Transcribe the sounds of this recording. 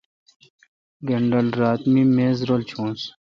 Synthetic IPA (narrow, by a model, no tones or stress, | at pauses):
ɡeɳɖəlɾaːt̪miːmeːzɾolt͡ɕʰũːns